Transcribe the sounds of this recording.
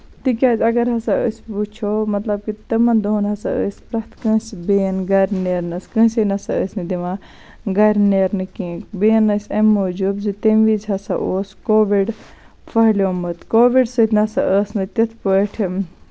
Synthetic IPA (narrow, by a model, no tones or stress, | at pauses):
t̪ikʲaːzʲɐɡɐɾɦɐsaə̰sput͡ʃʰomɐt̪lɐb̚kit̪ɨmɐnd̪oːnɦɐsa̰ə̰ːspɾɐt̪kə̃ːsbeːnɡɐɾʲneːɾnɐskə̃ːsinɐsaəːsnɨd̪imã | ɡɐɾʲneːɾnɨkĩːkbeːnːəsʲɐmːoːd͡ʒuːbzit̪emʋizɦɐsa̰ʔoːskoːʋiɖ | pʰɐɦlʲoːmɨt̪koːʋiɖsət̪ʰnɐsa̰ʔəːsnɨt̪it̪ʰpəʈʰ